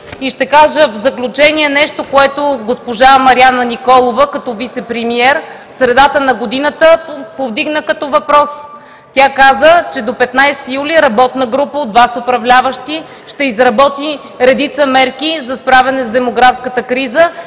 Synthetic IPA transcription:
iʃt̪ɛkaʒəvzɐklʲut͡ʃɛniɛnɛʃt̪okoɛt̪oɡospoʒamɐɾianənikɔlˠovəkɐt̪ɔvit̪sɛpɾɛmiɛɾfsɾɛd̪at̪ənɐɡod̪inət̪əpovd̪iɡnəkɐt̪ɔvɐpɾɔs | t̪ʲakazət͡ʃɛd̪opɛt̪najsɛ̥t̪ijuliɾɐbɔt̪nəɡɾupəod̪vasopɾɐvlʲavəʃt̪i | ʃt̪ɛizɾɐbɔt̪i | ɾɛd̪it̪səmɛɾkizɐspɾavɛnɛzd̪ɛmoɡɾafskət̪əkɾizə

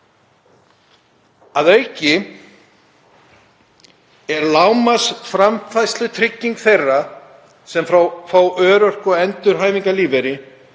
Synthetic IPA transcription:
aðœjcɪ | ɛɾlawmasfɾamfajslʏt̪ʰɾɪcːiŋkθejrːa | sɛmfɾafawʔœːɾœr̥kɔɛnt̪ʏɾ̥ɦaːjviŋkaliːveɾɪ

